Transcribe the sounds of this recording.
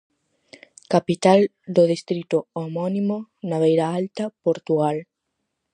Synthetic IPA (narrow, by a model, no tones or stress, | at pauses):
kapit̪al | d̪oðist̪ɾit̪oomonĩmonaβejɾaalt̪apoɾt̪uɣal